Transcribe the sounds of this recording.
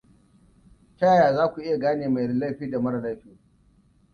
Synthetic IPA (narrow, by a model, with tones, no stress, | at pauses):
ta˦˨jaː˨zaː˦kʷu˨ʔɪ˦ja˨ɡaː˦neː˨ma˨lɐ˦˨ɸiː˦da˨mɐ˦ɽla˦˨ɸiː˦˨